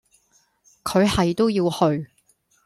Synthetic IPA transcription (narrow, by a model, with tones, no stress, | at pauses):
kʰɵ˨˧ɥhɐ˨jt̪o˥wjiː˧whɵ˧ɥ